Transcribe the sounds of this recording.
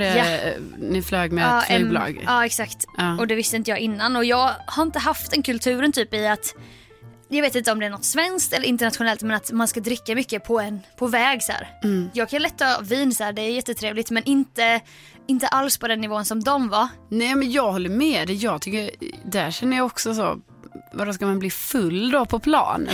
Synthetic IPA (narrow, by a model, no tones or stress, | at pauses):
ɛanɪfløːɡmɛɑːlɑ̰ːɡɑːɛksakt̪ɑɔd̪ɛvɪst̪əɪnt̪əjɑːɡʔɪnːanɔjɑːɡhaɾɪnt̪əɦaft̪ɛnkʰɵlt̪ʰʉ̟ːɾənt̪ʰyːpɪat̪ | jɑɡveːt̪ɪnt̪əɔmd̪ɛæɳɔt̪svɛnsk̚t̪ɛlːəɾɪnt̪əɳat̪ɧʊnɛlt̪mɛnat̪manskad̪ɾɪkːamʏkːəpʰɔɛnpʰɔvɛːɡsæ̰ːɾjɑːɡkʰanlɛt̪ːɑːviːnsæːɖɛæjɛt̪ːət̪ʰɾeːvlɪt̪mɛnʔɪnt̪ə | ɪnt̪əʔalspʰɔd̪ɛnːɪvoːənsɔmd̪ɔmvanɛːmɛnjɑːɡhɔlːəɾmɛːd̪ɛjɑːɡt̪ʰʏkːəɾd̪æʂɛnːəjɑɔksɔso̰ | vaɾdɔskamanbliːfɵlːd̪ɔpʰɔpʰlɑ̰ːnə̰